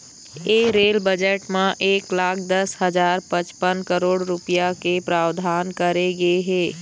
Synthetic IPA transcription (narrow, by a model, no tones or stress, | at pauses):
eːɾeːlbəd͡ʒəʈmãʔeːklaːkʰd̪ɐsɦɐd͡ʒaːɾpə̃t͡ʃpənkəɾoːɽɾʊpijakepɾaːwd̪ʱaːnkɐɾeɡɐeɦeː